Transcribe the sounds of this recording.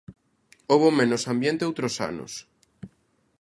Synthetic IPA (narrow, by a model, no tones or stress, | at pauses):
oβomẽnosambjẽnt̪eowt̪ɾosa̰no̰s